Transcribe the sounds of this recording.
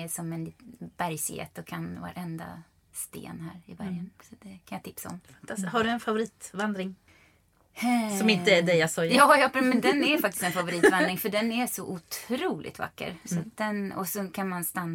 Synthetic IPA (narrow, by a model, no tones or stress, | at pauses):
ɛsɔmɛnlb̥æɾjsḛːt̪ɔkʰanva̰ɾʔɛnd̪a̰ | st̪ḛːnhæːɾɪbæɾjənsɔd̪̥ɛkʰanjaːt̪ʰɪpsaɔ̰mfant̪ʰashaɖɵɛnfavʊɾiːt̪vand̪ɾɪŋ | sɔmɪnt̪əæɖ̪ɛjasɔjjɑːjɑːpmɛnd̪ɛnæɾfak̚t̪ɪ̥st̪ɛnfavʊɾiːt̪vand̪ɾɪŋfœɖɛnæsɔʔʊt̪ʰɾuːlʔɪ̰t̪va̰kːə̰ɾsat̪̚d̪ɛnɔ̰sɔkʰanmanst̪anː